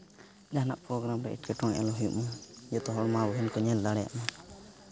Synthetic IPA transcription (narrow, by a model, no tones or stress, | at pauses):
d͡ʒaɦnaʔpɾɔɡɾamɾɛḭʈ̚kɛʈɔŋɛ̰alɔɦjṵʔɔjɔt̪ɔɦɔɽmaɾɔɦɛnkɔɲɛld̪aɽɛja̰ʔma